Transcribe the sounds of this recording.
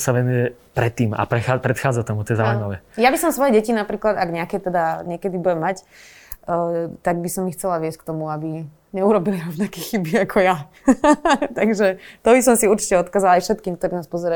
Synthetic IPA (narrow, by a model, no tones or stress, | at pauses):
saʋɛnujɛ | pɾɛt̪ːiːma̰pɾɛxaːpɾɛt̪xaːd͡zat̪ɔmut̪ɔjɛzaujmaʋɛjabisɔmsʋɔjɛɟɛcinapɾiːklad̪aɡɲɛakɛt̪ɛd̪aɲɪɛkɛd̪ibuɟɛmːacː | t̪aɡ̚bisɔmːixt͡sɛlaʋɪɛsckt̪ɔmuabi | ɲɛuɾɔbiliɾɔʋnakɛːxibiakʰɔja | t̪aɡʒɛt̪ɔbisɔmsiuɾt͡ʃi̥cɛɔt̪kaːzalaajfʃɛt̪kiːmk̚t̪ɔɾiːnaːspɔzɛɾa